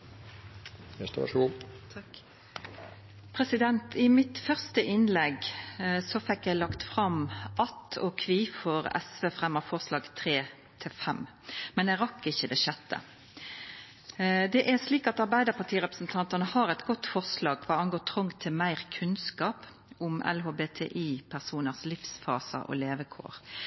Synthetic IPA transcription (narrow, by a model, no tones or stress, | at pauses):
ɛt̪ɑ̰ʂu | pʰɾɛsɪd̪ɛnt̪ɪmɪt̪fœʁst̪əʔɪnlɛɡsɔfɛkːjæɪlɑkt̪fɾɑmʔɑt̪ːɔ̰kʰʋiːfɔɾɛ̰sʋeːfʁɛmːəfɔʁslɑːɡt̪ʰʁeː | t̪ʰɪfɛm | mɛnɛʁɑkːɪçːəd̪ɛʃɛt̪ːə̰ | d̪ɛʔæsliːkɑt̪ɑɾbæɪd̪əʁpɑt̪ʰiːʁɛpʁəsn̩t̪ʰɑnt̪ɑnəhɑɾɛɪt̪ɡɔt̪ːfɔʁslɑːɡʋɑːɑŋɡoːt̪ʰʁɔŋt̪ʰɪlmæɪʁkʰʉnskɑːp | ʊmɛ̰lɦoːbeːt̪ʰḛːʔiːpʰæʁsuːnəʁslɪfsfɑ̰ːsə̰ʔɔ̰leːʋəkʰo̰ːʁ